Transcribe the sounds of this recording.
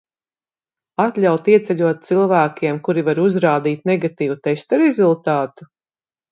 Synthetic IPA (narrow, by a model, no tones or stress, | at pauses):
at̪lʲawt̪iɛt̪sɛʎʲuɔt̪̚t̪silˠvæːkʲiɛmkuɾivaɾuzɾaːd̪iːt̪̚nɛɡat̪iːvut̪ɛst̪aɾɛzulˠt̪aːt̪u̥